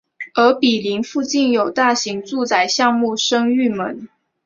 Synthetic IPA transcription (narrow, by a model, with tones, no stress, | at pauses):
ə˧˥pi˨˩li˧˥ŋfu˥˧t͡ɕi˥˩njo˨˩ʊt̪a˥˩ɕi˧˥ŋt͡su˥˩t͡sa˨˩ɪɕjɑ˥˧ŋmu˥˩ʂɤ˥ŋy˥˩mə˧˥n